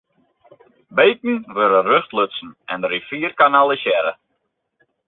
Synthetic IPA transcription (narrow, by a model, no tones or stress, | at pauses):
beːtn̩ʋøɾərøxtløtsn̩ɛndəɾifiːrkanalˠəsjɛɾə̰